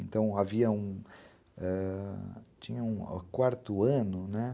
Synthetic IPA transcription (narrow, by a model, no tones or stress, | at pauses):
ẽnt̪ɐ̃w̃aviɐũ | ɛ | t͡ʃĩɲɐṵ̃kwaɾt̪ʊɐ̃nʊnɛ